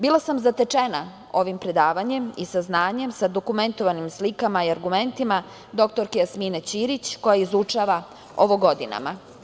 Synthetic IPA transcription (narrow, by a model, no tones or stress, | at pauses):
bilˠasamzat̪et͡ʂena | o̞ʋimpɾe̞d̪aːʋaɲe̞misaznaːɲe̞msad̪o̞kume̞nt̪o̞ʋanimslikamaiaɾɡume̞nt̪ima | d̪o̞k̚t̪o̞ɾkejasminet͡ɕiɾit͡ɕko̞jaizut͡ʂaʋa | oʋoɡo̞d̪ina̰ma